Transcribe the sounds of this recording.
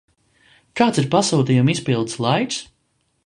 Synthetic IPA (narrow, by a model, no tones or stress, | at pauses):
kaːt̪siɾpasuːt̪ijumispilˠd̪slˠajk̪s